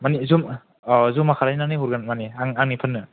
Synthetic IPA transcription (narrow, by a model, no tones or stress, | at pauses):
manizum | zumːakʰaɾajnanɯuɾɡanmaniaŋaŋnipʰɯnːɯ